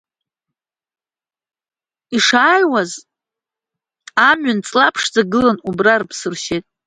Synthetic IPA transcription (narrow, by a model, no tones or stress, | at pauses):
iʂaːjwaz | amɥant͡sʼlapʰʂd͡zaɡɨlanubrarpʰsɨrʃetʼ